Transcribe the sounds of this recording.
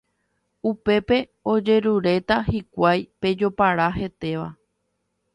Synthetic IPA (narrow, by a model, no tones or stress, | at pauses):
upe̞pe̞ | o̞d͡ʒe̞ɾuɾe̞t̪aɦikʷajpe̞d͡ʒo̞paɾaɦe̞t̪e̞ʋa̰